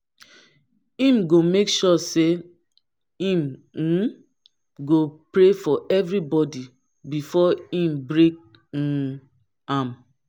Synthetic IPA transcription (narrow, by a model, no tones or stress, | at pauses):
ĩmɡomekʃɔse | ĩm̩ | ɡopɹefɔʔɛvɹibɔdi | bifɔĩmbɹek̚ | ãm